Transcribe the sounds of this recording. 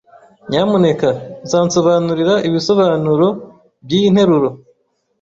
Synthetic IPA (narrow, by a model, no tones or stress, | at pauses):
ɲamune̞kazaːnso̞βaːnuɾiɾaʔiβiso̞βaːnuɾo̞ | bjin̥he̞ɾuɾo̞